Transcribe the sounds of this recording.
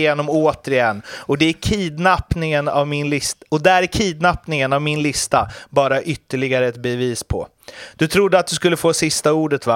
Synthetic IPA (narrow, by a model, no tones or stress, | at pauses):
eːnɔmoːt̪əɾɪɛnːɔd̪ɛæɾkʰiːd̪napnɪŋəna̰vmɪnlɪst̪ɔd̪æɾækʰiːd̪napnɪŋənavmɪnlɪst̪abɑːɾaʔʏt̪ːəɭɪɡaɾəɛt̪bɛviːspʰɔ̰ | d̪̥ɵt̪ʰɾʊd̪ːəat̪̚d̪ɵskɵlːəfoːsɪst̪auːɖət̪va